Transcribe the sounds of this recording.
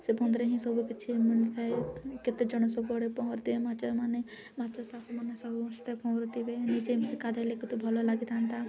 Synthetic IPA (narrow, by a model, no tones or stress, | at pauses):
sebɔ̃nd̪ɾeɦĩsɔbuket͡ʃʰimilit̪ʰaeket̪ed͡ʒɔɽ̃ɔsɔbɔɽepɔɦɔɾd̪ibemat͡ʃɔmane | mat͡ʃɔsakʰumanesɔbuɔst̪epɔ̃wɾɔt̪ibenid͡ʒemsekad̪ʱalekut̪ubʱɔlɔlaɡit̪ant̪a